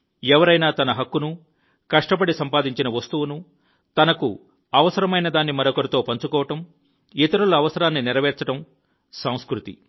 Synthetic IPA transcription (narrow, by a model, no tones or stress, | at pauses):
ɛʋɐɾɐjnaːt̪ɐnɐɦɐkːunu | kɐʂʈɐp̬ɐɽisɐmpaːd̪iɲt͡ʃinɐʋɐst̪uʋunu | t̪ɐnɐkṵ | ɐʋɐsɐɾɐmɐjnɐd̪aːnːimɐɾɐkɐɾɐt̪o̞ːpɐɲt͡ʃukɔːʋɐʈɐm | it̪ɐɾɐluɐʋɐsɐɾaːnːiniɾɐʋɛːɾt͡ʃɐʈɐm | sɐw̃skɾut̪ḭ